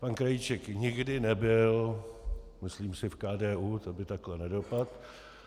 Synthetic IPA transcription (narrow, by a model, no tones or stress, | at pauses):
pankɾajit͡ʃɛkɲɪɡdɪnɛbɪl | mɪsliːmsɪfkaːdɛːʔuːt̪obɪt̪aklɛnɛdo̞pat̪